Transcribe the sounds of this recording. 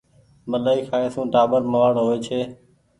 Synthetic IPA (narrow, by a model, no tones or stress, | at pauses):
məlaːiːkʰaːeːsũːɖʱaːɓəɾməʋaːɽɦoːeːt͡ʃʰeː